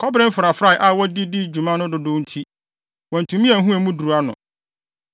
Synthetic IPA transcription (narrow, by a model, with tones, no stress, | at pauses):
kʰɔ˦bɾɪ˦m̩˦fɾa˨fɾa˦˨ʔa˦˨wɔ˦di˦di˦d͡ʑu˨mã˦nʊ̃˦dʊ˨dʊ̃˦n̩˦tʰi˦ | wɔ̃˨n̩˨tʰũ˨mĩ˦æ̃˨˦ɦũ˦ɛ˨mũ˦du˨ɾu˨a˦nʊ̰̃˨